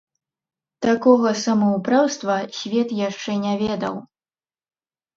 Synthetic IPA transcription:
t̪akɔɣɐsɐmɐwpɾawst̪vɐsʲvʲɛt̪jaʂt͡ʂɛnʲavʲɛd̪ɐ̰w

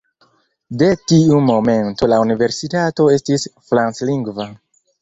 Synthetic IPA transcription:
de̞tiumo̞me̞nto̞launive̞ɾsitato̞e̞stisfɾansliŋɡva

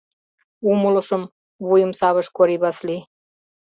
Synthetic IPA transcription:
uməlɤ̆ʃə̆m | βujəmsɑβə̆ʃkoɾiβɑsli

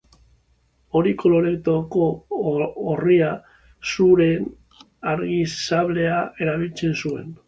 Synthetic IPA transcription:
o̞ɾiko̞lo̞ɾe̞t̪oko̞ː | ria | suɾe̞n | aɾɣisaβle̞ae̞ɾaβilt͡se̞nsue̞̰n

